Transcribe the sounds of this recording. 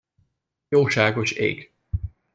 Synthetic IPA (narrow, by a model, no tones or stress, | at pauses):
joːʃaːɡoʃḛːk